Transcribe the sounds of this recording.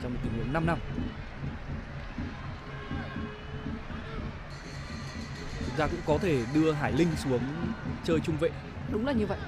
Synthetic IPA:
t͡ɕɔ˧wŋ͡mo˨˩t̪i˧˩ŋhna˧mna˧m | t͡ɕʰʊ˨˦ŋ͡m̚t̪aː˧kʊ̰˧˥ŋ͡mkɔ˨˦t̪ʰe˧˩ɗɨ˧əɦaː˧˩jlï˧ŋ̟su˨˦əŋt͡ɕəː˧jt͡ɕʊ˧ŋ͡mvḛ˧˨ | ɗʊ˨˦ŋ͡mlaː˨˩ɲɨ˧və̰˧˨jʔ

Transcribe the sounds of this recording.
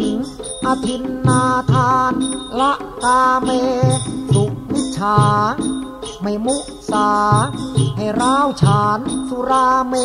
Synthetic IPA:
ŋʔa˧t̪ʰi˧nnaː˧t̪ʰaː˧nla˦˥ʔkaː˧meː˧su˨˩k̚ni˦˥t͡ɕʰaː˩˦ | ma˧˩jmu˦˥˩ʔsaː˩˦ha˧˨˩jɾaː˦˥˩wt͡ɕʰaː˨˦nsu˧ɾaː˧meː˧

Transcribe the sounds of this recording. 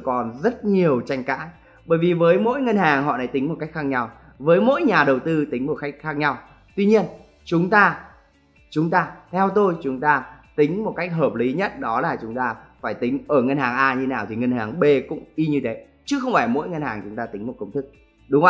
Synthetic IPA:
kɔ˨˩nzə˦˥t̚ɲi˨˩əwt͡ɕa˧jŋ̟ka̰ː˧˥n | ɓəː˧˩jvi˨˩vəː˨˦jmo̰˧˥jŋə˧nhaː˨˩ŋhɔ̰˧˨na˨˦t̪i˨˦ŋmo˨˩ka˦˥k̟̚xaː˧k̚ɲa˧w | vəː˨˦jmo̰˧˥jɲaː˨˩ɗə˨˩wt̪ɨ˧t̪ï˨˦ŋ̟mo˨˩t̚ka˦˥jk̟̚xaː˦˥k̚ɲa˧w | t̪wi˧ɲi˧ən | t͡ɕʊ˨˦ŋ͡mt̪aː˧ | t͡ɕʊ˨˦ŋ͡mt̪aː˧t̪ʰɛ˧wt̪o˧jt͡ɕʊ˨˦ŋ͡mt̪aː˧t̪ï˨˦ŋ̟mo˨˩t̚ka˦˥jk̚ɦəː˨˩p̚li˨˦ɲə˦˥t̚ɗɔ˨˦laː˨˩t͡ɕʊ˨˦ŋ͡mt̪aː˧faː˧˩jt̪ï˨˦ŋ̟ʔəː˧˩ŋə˧nhaː˨˩ŋʔaː˧ɲɨ˧naː˨˩wt̪ʰi˨˩ŋə˧nhaː˨˩ŋɓe˧˩kʊ̰˧˥ŋ͡mʔi˧ɲɨ˧ɗə˨˦ | t͡ɕɨ˨˦xə˧wŋ͡mfaː˧˩mo̰˧˥jŋə˧nhaː˨˩ŋt͡ɕʊ˨˦ŋ͡mt̪aː˧t̪ï˨˦ŋmo˨˩t̚kə˧wŋ͡mt̪ʰɨ˦˥k̚ | ɗʊ˨˦ŋ͡mʔa˧

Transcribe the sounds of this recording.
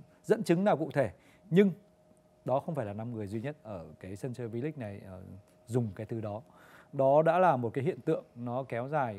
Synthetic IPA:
zə̰˧˥nt͡ɕɨ˨˦ŋnaː˨˩wkṵ˧˨t̪ʰe˧˩ | ɲɨ˧ŋ | ɗɔ˨˦xə˧wŋ͡mfaː˧˩jlaː˨˩na˧mŋɨ˨˩əjzwi˧ɲə˦˥t̚ʔəː˧˩kaː˨˦jsə˧nt͡ɕəː˧vi˨˦lï˦˥k̟̚na˨˩j | zʊ˨˩ŋ͡mkaː˨˦jt̪ʰɨ˨˦ɗɔ˨˦ | ɗɔ˨˦ɗa̰ː˧˥laː˨˩mo˨˩t̚kaː˨˦jɦḭ˧˨ənt̪ɨ̰˧˨əŋnɔ˨˦kɛ˨˦wzaː˨˩j

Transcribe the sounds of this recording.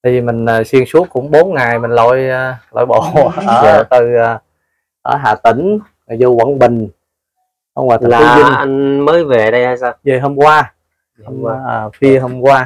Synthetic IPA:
t̪ʰi˧˩i˨˩mï˨˩ŋ̟əː˨˩si˧əŋsu˦˥əkkʊ̰˧˥ŋ͡mɓo˨˦nŋa˨˩jmï˨˩ŋ̟lo̰˧˨jlo̰˧˨jɓo̰˧˨ʔəː˧˦˧t̪ɨː˨˩˨ | ʔəː˧˩ɦa̰ː˧˨t̪ï˧˩˦ŋ̟ | a˨˩zo˧wə̰˧˩˦ŋɓï˨˩ŋ̟ | hə˧wŋ͡maː˨˩t̪a˨aː˨˦˨i˧ʔa˧ŋməː˨˦jve˨˩ɗə˧jha˧jsaː˧wzə˨˩ɦo˧mkwaː˧ | hm˧ʔəː˨˩fi˧əɦo˧mkwaː˧

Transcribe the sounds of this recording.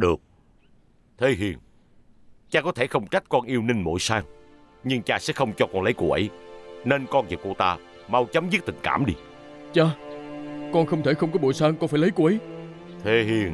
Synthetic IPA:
ɗɨ˨˩ək̚ | t̪ʰe˧˦ɦḭ˨˩əŋ | t͡ɕaː˧kɔ˨˦t̪ʰe˧˩xə˧wŋ͡mt͡ɕa˦˥jt̚kɔ˧nʔi˧əwni˧ŋmo̰˧˩jsaː˧ŋ | ɲɨ˧ŋt͡ɕaː˧sɛ̰˧˥xə˧wŋ͡mt͡ɕɔ˧kɔ˧nlə˨˦jkṵ˧˩ʔə̰˨˦jne˧nkɔ˧nzḭ˨˩ku˧˩t̪aː˧ | ma˧wt͡ɕə˨˦mzi˦˥t̚t̪ï˨˩ŋ̟ka̰ː˧˩mɗi˧ | t͡ɕaː˧ | kɔ˧nxə˧wŋ͡mt̪ʰe˧˩xə˧wŋ͡mkɔ˨˦ɓo˧˨jsaː˧ŋkɔ˧˦nfaː˧˩jlə˨˦jku˧˩ʔə˨˦j | t̪ʰe˧ɦi˨˩əŋ

